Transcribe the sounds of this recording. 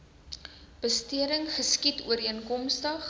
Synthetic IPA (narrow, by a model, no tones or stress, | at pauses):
b̥əstiəɾəŋχəskituəɾiənkɔmstəχ